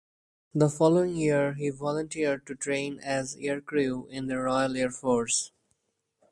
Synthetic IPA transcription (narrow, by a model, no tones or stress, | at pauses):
d̪əfɔːloːɪ̃ŋjiəɾɦiʋɔlə̃nʈiəɾɖ̚ʈuʈʰɾẽɪ̃næzeːɾkɾuɪ̃nd̪əɾɔɪəleːɾfɔːɾs